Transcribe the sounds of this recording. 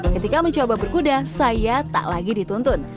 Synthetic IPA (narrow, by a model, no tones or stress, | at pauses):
kət̪ikaməɲt͡ʃobabərkudasajat̪a̰ʔlaɡidit̪unt̪ʊn